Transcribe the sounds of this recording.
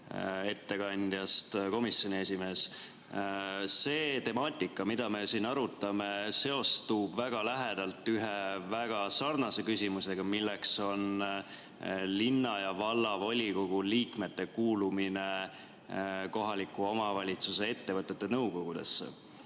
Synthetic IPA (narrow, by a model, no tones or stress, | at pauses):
e̞t̪ːe̞kɑnʲd̪̥jɑst̪ko̞misjo̞nʲie̞sʲime̞ːs | se̞ːt̪e̞mɑːt̪ʲːˑikːˑɑmid̪̥ɑme̞siːnɑɾut̪ːˑɑme̞se̞o̞st̪ub̥væɡ̥ɑlæɦed̪̥ɑlt̪ːˑyɦevæɡ̥ɑsɑrnɑse̞kysimuse̞ɡ̥ɑmilːe̞kso̞n | linːɑjɑvɑlːɑvo̞lʲiko̞ɡ̥uliːkme̞t̪ːe̞kuːlumine̞ | ko̞ɦɑlikuo̞mɑvɑlʲit̪suse̞e̞t̪ːevɤt̪ːˑe̞t̪ːe̞nɤwko̞ɡ̥ud̪e̞̰sːḛ